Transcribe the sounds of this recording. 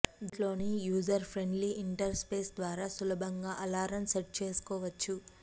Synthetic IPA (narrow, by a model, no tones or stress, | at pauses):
d̪lo̞ːnijuːd͡ʒɐɾpʰɾe̞ɳɖliʔiɳʈɐɾspeːsd̪ʋaːɾaːsulɐbʱɐŋɡaːʔɐlaːɾɐmseʈ̚t͡ʃe̞ːsu̥kɔːʋɐt͡ʃːu